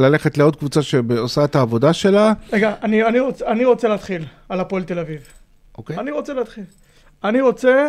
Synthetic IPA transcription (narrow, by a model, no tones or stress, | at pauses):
lale̞χetleo̞d̪̚kvut͡saʃebeosaetaːvo̞daʃe̞laʁeɡaːnianiʁot͡seaniʁo̞t͡seleːt̪χil | alapoelt̪e̞laviv | ʔokeaniʁo̞t͡seleːt̪χil | aniʁo̞t͡se